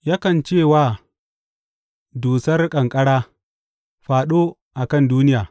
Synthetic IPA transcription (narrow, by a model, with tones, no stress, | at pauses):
jaː˦kɐ˨nt͡ʃeː˦˨waː˨ | duː˨sɐ˦rkʼɐ˨ŋkʼɐ˦ɽaː˦ | ɸaː˨ɗoː˦ | ʔa˨kɐ˦˨nduː˦nɪ˦jaː˨